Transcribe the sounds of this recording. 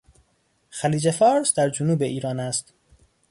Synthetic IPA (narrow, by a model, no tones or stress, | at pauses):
xæliːd͡ʒefɒːɾsd̪æɾd͡ʒonuːbeʔiːɾɒːnæst̪